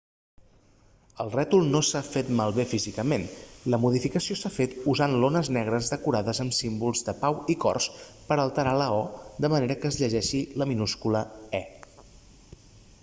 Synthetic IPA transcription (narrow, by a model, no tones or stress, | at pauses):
əlˠrɛt̪ulˠnosafet̪malˠβefizikəmenləmuð̞ifikəsiosafet̪uzanlonəznɛɣ̞ɾəzðəkuɾaðəzəmsimbulˠzðəpawikɔ̰rspəɾəlˠt̪əɾaləɔd̪əməneɾəkəːzʎəʒɛʃiləminuskuləɛ